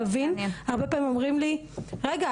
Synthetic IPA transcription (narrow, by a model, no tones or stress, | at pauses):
avinhaʁbepaimomʁimliʁeɡa